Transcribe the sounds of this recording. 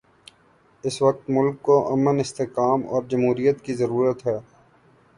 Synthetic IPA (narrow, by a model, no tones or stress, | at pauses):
ɪsʋɐk̚t̪mʊlkːoʔɐmənɪst̪eːkaːmɔ̰ːɾd͡ʒɐmɦuːɾijət̪kizɐɾuːɾət̪ɦɛː